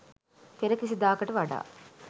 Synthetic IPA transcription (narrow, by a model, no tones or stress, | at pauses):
k̪eɾɐkis̬id̪aːkɐʈɐʋaɖa̰ː